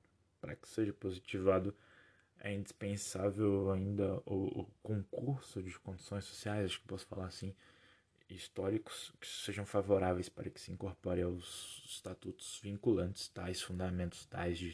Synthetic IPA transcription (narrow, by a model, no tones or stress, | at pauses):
paɾɐkɪ̥seʒɐpozit͡ʃivad̪ʊ | ɛ̰ĩnd͡ʒispẽsavewaĩnd̪ɐʊʊkõkuɾsʊd͡ʒɪkõd͡ʒisõj̃so̥siajszaʃʊkepɔsʊ̥fa̰laɾsĩ | ist̪ɔɾikʊ̥skɪ̥seʒɐ̃w̃favoɾavejspaɾɐkɪ̥sɪĩŋkoɾpɔɾẽawzst̪at̪ut̪ʊ̥z̥vĩŋkulɐ̃nt͡ʃɪ̥st̪ajsfũnd̪amẽnt̪ʊ̥st̪a̰jzd͡ʒɪ